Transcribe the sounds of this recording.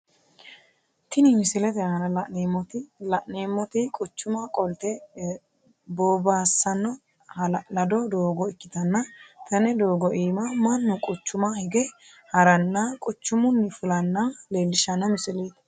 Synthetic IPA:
t̪ɪnɪmɪsɪlɛt̪ɛanɐlɐʔnemɔt̪ɪlɐʔneːmːɔt̪ɪkʼʊt͡ʃːʊmɐkʼɔlt̪ɛ | boːbaːsːɐnːɔ | hɐlɐlɐd̪ɔd̪oːɡɔɪkːɪt̪ɐnːɐt̪ʰɐnɛd̪oːɡɔʔiːmɐmɐnːʊkʼʊt͡ʃːʊmɐhɪɡɛ | hɐɾɐnːɐkʼʊt͡ʃːʊmʊnːɪfʊlɐnːɐleːlːɪʃɐnːɐmɪsɪleːt̪

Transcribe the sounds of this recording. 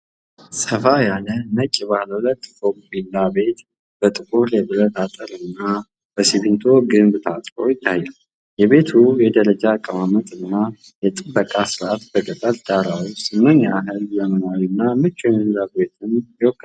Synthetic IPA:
səfajalənət͡ʃʼːibahləwulət̪ːfombilːabe̞t̪ | b̥ət̪ʼɨkʼuɾjɛbɨɾət̪at̪ʼəɾɨnːa | b̥əsiβint̪ʰo̞ɡɨmbt̪ʰat̪ʼkʼojɪt̪ʰːajːal | jɛβe̞t̪ʰujɛd̪əɾəd͡ʒakʼːəmamət̪ʼɨnːa | jɛt̪ʼɨbːəkʼasɨɾat̪bəɡət̪ʼəld̪̥aɾawisɨmːəɲːaːɦɨljɛmənawnːamɨt͡ʃʼːɛnɨnzaɡbet̪ʰɨnjɪwɔkʰʼːə

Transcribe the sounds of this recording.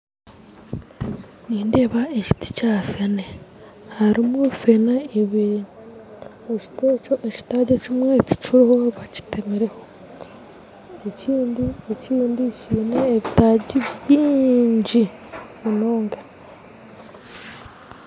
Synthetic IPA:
niːndeːβaeci̥ti̥cafene | haɾimufenaeβ | eci̥tet͡ʃoʔeci̥taɟecimweci̥t͡ʃiɾohoβaci̥tʰemeɾeho̞ | eciːndieciːndiciːneeβitaɟiβiːɲɟi | munoːŋɡa

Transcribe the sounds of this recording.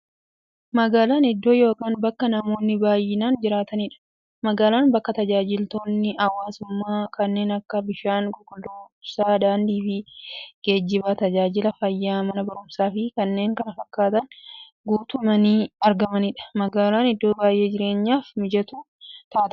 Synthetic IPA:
mɐɡaːlaːnɪd̪ːo̞ːjo̞ːkaːnbɐkːɐnɐmo̞ːnːɪbaːjɪnaːnd͡ʒɪɾaːt̪ɐnɪᶑɐ̥ | mɐɡaːlaːnbɐkːɐt̪ɐd͡ʒaːd͡ʒɪlt̪o̞ːnːɪʔɐwaːsʊmːaːkɐnːe̞ːnɐkːɐbɪʃaːnɡɔkʼɔd̪oːbsaːd̪aːnd̪iːfɪɡ̥e̞ːd͡ʒːɪbaːt̪ɐd͡ʒaːd͡ʒɪlɐfɐjːaːmɐnɐbɐɾʊmsaːfɪkɐnːe̞ːŋkɐnɐfɐkːaːt̪ɐn | ɡuːt̪ʊmɐniːɐɾɡɐmɐnɪᶑɐ̥mɐɡaːlaːnɪd̪ːo̞ːbaːjʔe̞ːd͡ʒɪɾe̞ːɲːaːfmɪd͡ʒɐt̪u | t̪aːt̪

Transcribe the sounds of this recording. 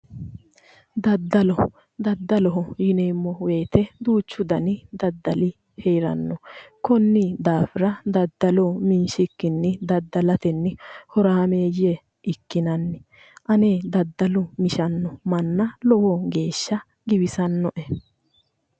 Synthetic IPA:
d̪ɐd̪ːɐlɔ | d̪ɐd̪ːɐlɔɦɔjɪneːmːɔwe̞ːt̪ɛd̪uːt͡ʃːʊd̪ɐnɪd̪ɐd̪ːɐlɪ | hejɾɐ̰nːɔkɔnːɪd̪aːfɪɾɐd̪ɐd̪ːɐlɔmɪnʃɪkːɪnːɪd̪ɐd̪ːɐlɐt̪ɛnːɪhɔɾaːmeːje | ʔɪkːɪnɐnːɪ | ʔɐneːd̪ɐd̪ːɐlʊmɪʃɐnːɔmɐnːɐlɔwɔɡe̞ːʃːɐ | ɡɪbɪsɐnːɔʔɛ

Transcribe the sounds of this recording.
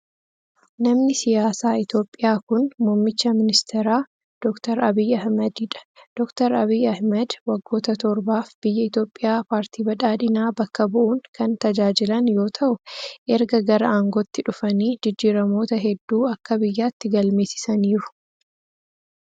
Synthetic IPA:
nɐmnɪsɪjaːsaːɪt̪jo̞ːpʼːɪjaːkʊnmɔːmːɪt͡ʃːɐmɪnɪst̪ʰɛɾaː | d̪̥ɔkt̪ɐɾɐbijɐhmɐd̪iᶑɐ̥d̪̥ɔkt̪ɐɾɐbiːɐhmɐd̪wɐɡːo̞ːt̪ɐt̪ɔɾbaːfb̥ɪjːɐɪt̪jo̞ːpʼːɪjaːpaːɾt̪ʰiːbɐᶑaːd̪ɪnaːbɐkːɐbʊʔuːŋkɐnt̪ɐd͡ʒaːd͡ʒɪlɐnjo̞ːt̪ʰɐʔʊʔɛɾɡɐɡɐɾɐaŋɡot̪ːɪᶑʊfɐniːd͡ʒɪd͡ʒːiːɾɐmo̞ːt̪ɐɦɛd̪ːuːɐkːɐbɪjːaːt̪ːɪɡɐlmeːsɪ̥sɐniːɾʊ̥

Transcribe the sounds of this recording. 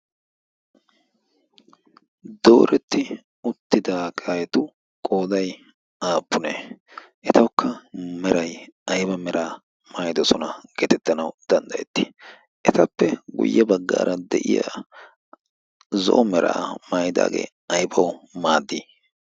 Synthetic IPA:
d̪o̰ːɾɛt̪ːɪ | ʊt̪ːɪd̪aːkʰaːjɛt̪ʊ | kʼo̞ːd̪ɐj | aːpːʊneː | ʔɛt̪ɐwʊkːɐmɛɾɐjɐjbɐmɛɾʔaː | maːjɪd̪ɔsɔnɐɡ̥eːt̪ɛt̪ːɐnɐwd̪̥ɐnd̪ɐjɛt̪ːi̥ | ʔɛt̪ɐpːɛɡʊ̰jːɛbɐɡːa̰ːɾʔɐd̪ɛʔɪ̰ja̰ | zɔ̰ʔɔmɛɾʔa̰ːmaːjɪd̪a̰ːɡḛː | ɐjbɐwmaːd̪ːiː

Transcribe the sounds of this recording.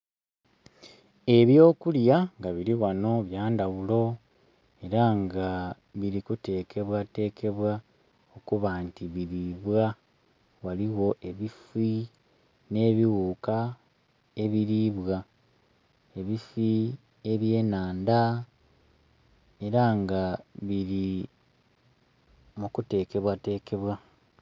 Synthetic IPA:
e̞βjo̞ːkuljaŋɡaβiɾiɣano̞βjaːndaɣulo̞ | e̞ɾaŋɡa | βiɾikute̞ːkʰe̞βwate̞ːkʰe̞βwa | o̞kuβaːntiβiɾiβwa | waliwo̞ʔe̞βifi | ne̞ːβiɣuːka | e̞βiɾiβwa | e̞βifi | e̞βje̞ːnaːnda | e̞ɾaŋɡaβiɾi | mukute̞ːke̞βwate̞ːke̞βwa

